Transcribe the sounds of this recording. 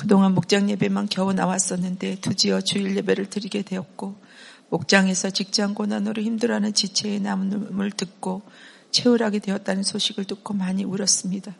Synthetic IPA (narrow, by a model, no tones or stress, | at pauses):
kɯdoŋɦanmok̚t͡ɕ͈aŋɲe̞be̞mankjʌunawas͈ʌnːɯnde̞tud͡ʑiʌt͡ɕuiɭːe̞be̞ɾɯɭtɯɾiɡe̞dwe̞ʌt̚k͈o | mok̚t͡ɕ͈aŋe̞sʰʌt͡ɕik̚t͡ɕ͈aŋɡonanoɾɯçimdɯɾanɯnt͡ɕit͡ɕʰe̞ːnammɯɭtɯk̚k͈o | t͡ɕʰe̞uɾɦaɡe̞dwe̞ʌt̚t͈anɯnsʰoɕʰiɡɯɭt͈ukʰomaɲiuɾʌs͈ɯmɲida